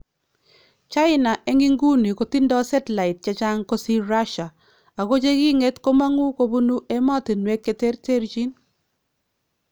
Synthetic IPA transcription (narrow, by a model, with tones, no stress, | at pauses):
t͡ʃa˦ɪ˦na˨ʔe˦ŋi˦ŋɡu˦ni˨ko˨ti˦ndɔ˦sɛ˦tla˨ɪ˨t̚t͡ʃa˦t͡ʃa˦ŋko˦si˦ɾa˦ʃa˨ | a˨ɣo˦t͡ʃe˦ki˦ŋe˦tko˦ma˦ŋu˦ko˨˦bu˦nu˦e˦mɔ˦tɪ˨nwe˦kːe˨te˦ɾte˦ɾt͡ʃi˦n